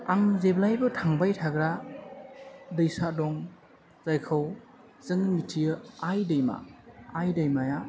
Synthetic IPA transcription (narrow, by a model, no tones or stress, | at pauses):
aŋzeblajbɯtʰaŋbajtʰaɡɾa | dɯjsadɔŋ | zajkʰɯw | zɯŋmitʰijɯajdɐjma̰ːjdajmaja